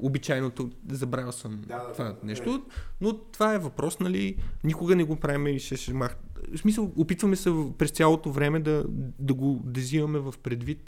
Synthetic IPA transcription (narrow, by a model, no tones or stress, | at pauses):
obit͡ʃajnot̪ozɐbɾavsəmtt̪ovanɛʃt̪onot̪ovaɛvɐpɾɔsnɐlinikʊɡənɛɡopɾavimɛiʃɛʃɛmaxsmis̬əlˠopit̪vɐmɛsɛvpɾɛst̪sʲjalˠot̪ovɾɛmɛd̪ɐd̪ɐɡod̪ɛzivɐmɛvɐfpɾɛd̪vit̪